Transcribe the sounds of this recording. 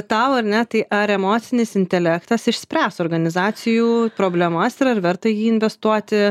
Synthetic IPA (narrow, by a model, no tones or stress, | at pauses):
t̪ɑʊɐɾnʲɛt̪ɐɪʔɐɾɛmoːt̪sʲɪnʲɪsɪnʲt̪ʲɛlʲæːkt̪ɐsɪʃʲsʲpʲɾʲæːsoːrɡɐnʲɪzɑːt͡ssʲɪjuːpɾoːbʲlʲɛmɐsɪɾɐɾʋʲɛɾt̪ɐjiːɪnʲʋʲɛst̪uɔt̪ʲɪ